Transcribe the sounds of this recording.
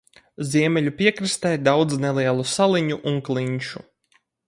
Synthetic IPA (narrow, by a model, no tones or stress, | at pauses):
ziɛmʲɛlʲupʲiɛkɾɨst̪ɛjd̪awd̪znɛlˠiɛlˠusalˠiɲuʔuŋklˠiɲʃu